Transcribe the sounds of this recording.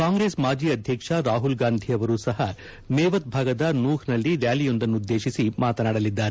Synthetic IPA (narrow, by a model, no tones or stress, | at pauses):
kaːŋɡɾeːsmaːd͡ʒiːɐd̪ʱjɐkʂɐɾaːɦulɡaːnd̪ʱijɐʋɐɾuːsɐɦɐ | mɛːʋɐt̪̚bʱaːɡɐd̪ɐnuːhnɐlːiɾjaːlijo̞nd̪ɐnːud̪ːe̞ːʃisimaːt̪ɐnaːɽɐlid̪ːaːɾe